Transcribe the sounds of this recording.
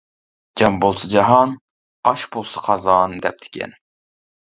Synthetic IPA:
d͡ʒɑmbolˠsɨd͡ʒɑɦɑn | ɑʃbolˠsɑ̥qʰɑzɑnd̪ɛp̚d̪ʰɪ̥kʲʰɛ̰n

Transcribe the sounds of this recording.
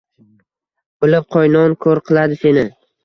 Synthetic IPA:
bʊlɪp̚qʰɒjnɒnkʰoɾqʰɨlˠad̪ɪse̞nɪ

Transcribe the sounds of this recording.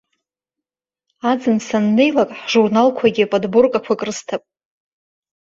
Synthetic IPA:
ad͡zɨnsanːe̞jlakʼħʒurnalkʷʰaɡʲipʼodbʊrkʼakʷʰakʼrɨstʰapʼ

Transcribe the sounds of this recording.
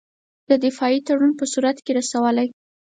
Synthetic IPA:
d̪̥əd̪ɪfɑit̪aɽunpəsuɾat̪keɾasawəlaj

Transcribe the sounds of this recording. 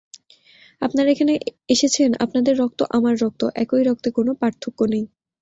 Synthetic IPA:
apnaɾaekʰaneeʃet͡ɕʰena̰pnad̪eɾːɔk̚t̪oʔamaɾːɔk̚t̪oʔɛ̰kojɾɔk̚t̪ekonopaɾt̪ʰːokːonej

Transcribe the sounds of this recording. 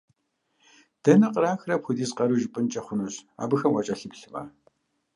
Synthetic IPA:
d̥ɐnɐqʼəɾaːxrɐpxʷʊdiːzqɐɾuʒpʼɨnt͡ʃʼɐχʷʊnoɕa̰ːbɨxɐmʔɔt͡ʃʼɐɬɨpɬɨmɐ̰

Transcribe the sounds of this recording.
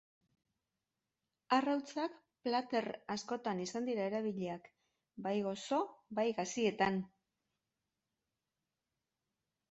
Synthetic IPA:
arawt͡sak | plat̪e̞rasko̞t̪anisand̪iɾae̞ɾaβ̞iʎe̞ak | bajɣo̞so̞bajɣasie̞t̪an

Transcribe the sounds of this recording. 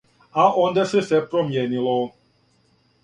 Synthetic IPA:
aʔɔnd̪ɛsɛsɛpɾɔmjɛnilɔ

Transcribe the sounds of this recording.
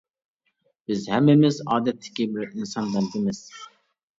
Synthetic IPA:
b̥ɪzhɛmːɪmɪzɑːd̪ɛt̪ʰːɪ̥kʲibɪɾinsɑnd̪ɛnd̪ɪmɪz̥

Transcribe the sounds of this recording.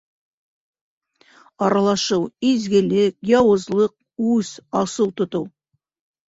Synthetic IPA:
ɑɾɑlˠɑʃəwizɡʲɪlɪkjɑwəzlˠəq̚ | ʉsɑsəwt̪ʰʊ̆t̪uw

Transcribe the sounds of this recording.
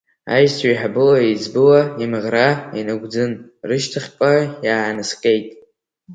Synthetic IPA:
a̰jsʰaiħabɨlaizbɨlaimʁrainɨɡʷd͡zɨnrɨʃtʰɨχʲpʼajaːʕanɨsqʲʼe̞jtʼ

